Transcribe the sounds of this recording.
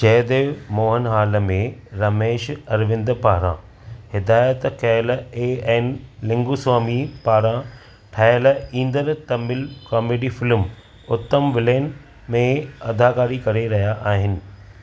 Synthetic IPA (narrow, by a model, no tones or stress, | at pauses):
t͡ɕɐːd̪emoːɦənɦaːləmẽɾɐmeːʃɐɾʋɪ̃nd̪paːɾã̰ | hɪd̪aːjət̪kɛːleːɛːnlɪ̃ŋɡuːsaːmipaːɾã | ʈʰaːjlĩːnd̪əɾt̪ɐmɪlkɔːmeːɖifɪlm | ʊt̪ːəmʋɪleːn | mẽɐd̪ʱaːkaːɾikɐɾeɾɐɦijaʔaːɦɪnɪ̆